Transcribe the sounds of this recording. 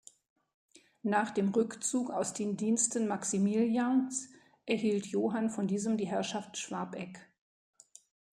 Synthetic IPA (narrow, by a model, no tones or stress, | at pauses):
naːχd̥eːmʁʏkt͡suːkaʊsd̥eːndiːnstənmaksimiljans | ʔɛɐhiːltʰjoːɦanfɔndiːzəmdiːɦɛɐʃaftʃv̥aɐpʔɛk